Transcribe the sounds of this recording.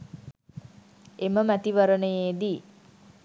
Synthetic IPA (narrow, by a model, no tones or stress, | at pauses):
eməmæt̪iʋəɾənəjeːd̪i